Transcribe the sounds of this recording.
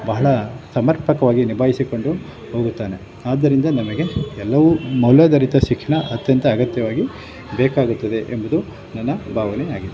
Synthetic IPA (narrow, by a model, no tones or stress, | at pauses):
bɐɦɐɭɐsɐmɐɾpɐkɐʋaːɡinibʱaːɦisiko̞ɳɖu | ho̞ːɡut̪ːaːne̞ | aːd̪ːɐɾind̪ɐnɐmɐɡe̞ɛlːɐʋumɐlɐd̪ɐɾit̪ɐʃikʂɐɳɐʔɐt̪jɐnt̪ɐːɡɐt̪jɐʋaːɡi | bɛːkaːɡut̪ːɐd̪e̞ʔembɐd̪u | nɐnːɐbʱaːʋɐneaːɡid̪ːe